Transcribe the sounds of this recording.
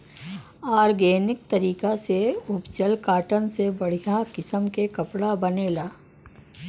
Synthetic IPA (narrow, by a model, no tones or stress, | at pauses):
aːɾɡeːnɪk̚t̪ɐɾiːkaseʊpt͡ʃəlkaːʈənsebɐɽ̤ijakɪsəmkekɐpɽabɐneːlaː